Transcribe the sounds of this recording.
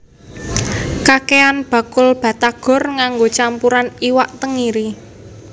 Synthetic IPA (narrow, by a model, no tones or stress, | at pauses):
kakeanb̥a̤kʊlb̥ä̤t̪aɡ̥ɔ̤rŋaŋɡot͡ʃampuɾaniwaʔt̪əŋiɾi